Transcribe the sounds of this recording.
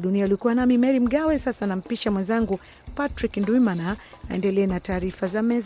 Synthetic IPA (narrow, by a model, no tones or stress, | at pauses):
ɗunialiɔkuwanamimɛɾim̩ɠawɛsasanam̩piʃamwɛnzaŋɡu | patɾiknduimana | aɛ̰ndɛlɛːnataːɾifazamɛz